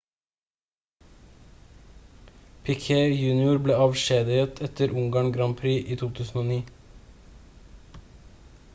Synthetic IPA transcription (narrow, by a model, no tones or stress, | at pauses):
pʰɛkʰeːjʉːnɪʊɾbleːɑʋʃeːd̪ɪət̪ʰɛt̪əɾʔʊŋɡɑːɳɡɾɑmpʰɾiːʔiːt̪ʰuːt̪ʰʉːsn̩oːniː